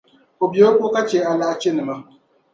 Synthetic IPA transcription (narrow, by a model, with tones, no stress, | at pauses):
ko˨bi˨˦o˦ko˦ka˦t͡ʃeː˨˦a˨la˦ʔa˦t͡ʃe˦nɨ˨ma˦